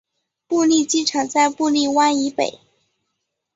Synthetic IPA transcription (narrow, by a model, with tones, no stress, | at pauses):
pu˥˧li˥˩t͡ɕi˥ʈ͡ʂʰɤ˨˩ŋt͡sa˥˧ɪpu˥˧li˥˩wa˥ni˧˥pḛ˨˩˦ɪ